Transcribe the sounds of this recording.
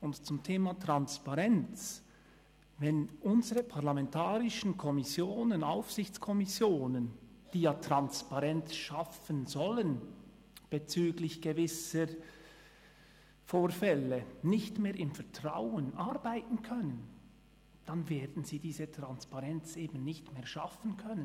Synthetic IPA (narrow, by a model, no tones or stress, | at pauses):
ʊntt͡sʊmtʰeːmaːtʁanspaʁɛnt͡s | vɛnʔʊnzəʁəpʰaʁlamɛntʰaːɾɪʃən̩kʰɔmɪsjoːnənaʊfsɪçt͡skʰɔmɪsjoːnən | d̥iːjatʁanspaʁɛnt͡sʃafənzɔlən | b̥et͡syːɡlɪçɡ̥əvɪsə | foːɾfɛlənɪçtmeːɾɪmfɛɐtʁ̥aʊənʔaɾbaɪtn̩kʰœnən | d̥anveːdn̩z̥iːdiːzətʁ̥anspaʁɛnt͡sʔeːbn̩nɪçtmeːʃafən̩kʰœnən